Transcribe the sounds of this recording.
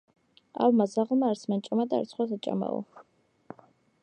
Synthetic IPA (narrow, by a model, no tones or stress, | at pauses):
a̰lmazaʁlˠmaːɾsmant͡ʃʼamad̪a̰ːɾt̪sʰχwasat͡ʃʼa̰ma̰ɔ̰